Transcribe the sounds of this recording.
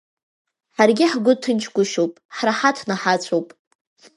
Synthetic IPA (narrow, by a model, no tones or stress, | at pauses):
ħarɡʲɪħɡʷʊtʰɨnt͡ʃʰɡʷʊʃowpʼħraħatʰnaħat͡ɕʷʰowpʼ